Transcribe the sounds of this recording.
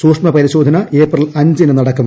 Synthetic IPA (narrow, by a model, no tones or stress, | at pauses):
suːkʂmɐpɐɾiɕo̞ːd̪ʱɐnɐʔeːprɐlɐɲd͡ʑinɨnɐɽɐkːum